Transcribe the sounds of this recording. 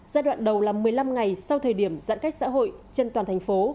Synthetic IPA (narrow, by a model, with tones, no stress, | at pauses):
zaː˧ɗwa̰ː˧˨nɗə˨˩wlaː˨˩mɨ˨˩əjla˧mŋa˨˩jsa˧wt̪ʰəː˨˩jɗi˧˩əmza̰˧˥nka˦˥jk̚sa̰ː˧˥ɦo̰˧˨jt͡ɕe˧nt̪waː˨˩nt̪ʰa˨˩ŋ̟fo˨˦